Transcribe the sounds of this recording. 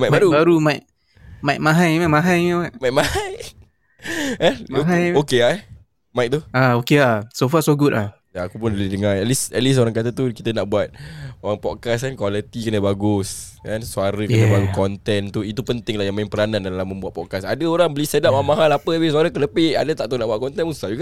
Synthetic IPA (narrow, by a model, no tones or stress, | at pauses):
majkmbaɾubaɾumajk̚ | majk̚mãɦajmaʔmãɦajməmaʔmaj̚mahaj | əuɦajokea | maɪk̚t̪uaokeasofasoɡʊt̪̚lah | jaːkupʊndalidəŋaɛlisɛt̪̚lis̬oɾaŋkat̪at̪ukit̪ənaʔbuat̪̚oɾaŋpɔt̪̚kas̬kankwalət̪ikənəbaɡʊs | kansuaɾəkənəbalukɔnt̪ɛnt̪uit̪upənt̪ɪŋlahjaŋmaɪŋpəɾanandalahmə̃mbuat̪̚pɔkasadəoɾaŋbəlisədap̚amaɦalapəabis̬uaɾəkələpɪʔa̰dət̪aʔt̪unaʔbuaʔ̪̚kɔnt̪ɛnusad͡ʒuka